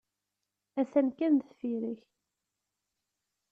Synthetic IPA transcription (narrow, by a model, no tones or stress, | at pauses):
æθænkænðfiɾiç